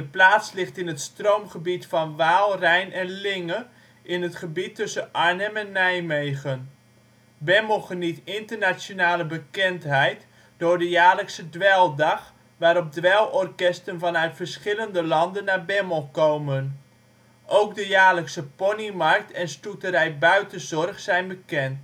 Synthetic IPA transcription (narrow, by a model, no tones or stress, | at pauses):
dəplaːtslɪχtɪnɦətstrowmχəbitfɑnʋaːlˠrɛjnɛnlɪŋə | ʔɪnɦətχəbitːɵsəʔɑɹnəmɛnːɛjmejχən | bɛməlˠχənitɪntərnasjonaːləbəkɛntɦɛjt | d̥ʊːɹdəjaːləksədʋɛlˠdɑχ | ʋaːɾɔp̚dʋɛlˠɔrkɛstənvɑnœɥtfəɹsχɪləndəlɑndənːaːbɛməlˠkowmən | ʔowkdəjaːləksəponimɑrk̚tʰɛnstutəɾɛjbœɥtənzɔrχsɛjnbəkɛnt